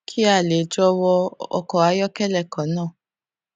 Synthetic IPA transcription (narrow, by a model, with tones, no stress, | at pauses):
kʰi˦a˦˨le˨d͡ʒɔ˧wɔ˧ɔ̰˧kɔ˨a˧˦jɔ˦kɛ˦˨lɛ˦˨kɔ̃˨˦nãː˦˨